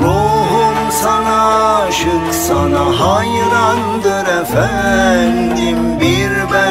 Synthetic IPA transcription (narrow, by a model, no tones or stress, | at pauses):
ɾoɦumsɑnɑʃɯksɑnɑɦɑj | ɾɑnd̪ɯɾɛfæ | nd̪im | biɾvæ